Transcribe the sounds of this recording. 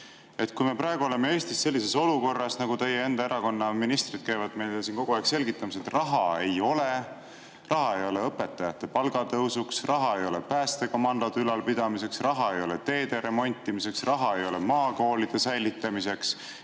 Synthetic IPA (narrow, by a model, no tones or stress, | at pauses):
e̞t̪kujme̞pɾɑeɡ̥uo̞le̞mee̞ːst̪isːe̞lʲːise̞so̞luko̞rːɑsnɑɡut̪e̞jee̞nd̪ɑeɾɑko̞nːɑminist̪rid̥̪̚kæjvɑd̪mejlesinko̞ɡuɑekse̞lɡit̪ːˑɑmiset̪rɑɦɑe̞jo̞le̞ | rʔɑɦɑe̞jo̞le̞ɤpːe̞t̪ːˑɑjɑt̪ːˑe̞pɑlɡ̥ɑt̪ɤusuksrɑɦɑe̞jo̞lepæːst̪e̞ɡɑmɑnd̪ɑd̪ylɑlpid̪̥ɑmise̞ksrɑɦɑe̞jo̞let̪e̞ːd̪̥e̞ɾe̞mo̞nʲt̪ːˑimise̞ksrɑɦɑe̞jo̞le̞mɑːko̞ːlid̪̥e̞sæjlit̪ːˑɑmise̞ks